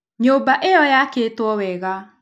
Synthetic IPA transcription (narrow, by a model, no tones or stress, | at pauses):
ɲobaʔejɔjaketwɔwɛɣa